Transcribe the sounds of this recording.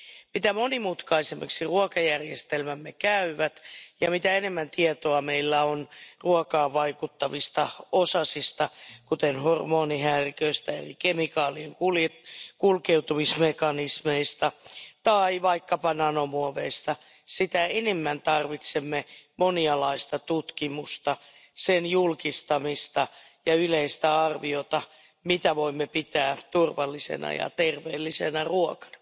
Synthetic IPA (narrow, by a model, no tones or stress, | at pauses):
mit̪æmo̞nimut̪kɑisemːḛksiruokɑjærjest̪elmæmːekæyʋæt̪jɑmit̪æene̞mːænt̪iet̪oɑme̞ilːæonruɔkɑːʋʋːɑikut̪ːɑʋist̪ɑosɑsist̪ɑkut̪enhormo̞ːniɦæːrikøist̪æḛrḭkemikɑːlieŋkuljekulkewt̪umismekɑnismeist̪ɑt̪ɑiʋɑikːɑpɑnɑnomuoʋeist̪ɑ | sit̪æenemːænt̪ɑrʋit̪semːemoniɑlɑist̪ɑt̪ut̪kimust̪ɑ | senjulkist̪ɑmist̪ɑ | jɑyleist̪æɑrʋiot̪ɑ | mit̪æʋoimːepit̪æːt̪urʋɑlːisḛnɑ̰jɑ̰t̪erʋeːlːisenɑruɔkɑ̥n̥ɑ̥